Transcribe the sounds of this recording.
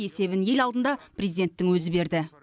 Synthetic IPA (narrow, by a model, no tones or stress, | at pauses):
e̞se̞βɪnje̞lɑlˠd̪ənd̪ɑpʰrʲezijd̪e̞nt̪ːɪŋwɵzɪbe̞ɾd̪ɪ